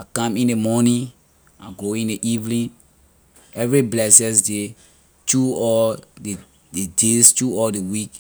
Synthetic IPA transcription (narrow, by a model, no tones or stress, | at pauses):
akãmĩnemɔnĩ | aɡoĩneʔivlĩn | ɛvɹiblɛsɛ̃s̬de | tuɔlde | dedestuɔldewik